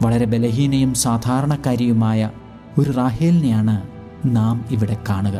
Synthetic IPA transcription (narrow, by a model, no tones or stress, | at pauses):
ʋɐɭɐɾe̞be̞lɐɦiːnɐjumsaːd̪ʱaːɾɐɳɐkːaːɾjɐjumaːjɐ | o̞ɾuraːɦeːlnejaːɳɨ | naːmiʋiɽe̞kːaːɳuɣɐ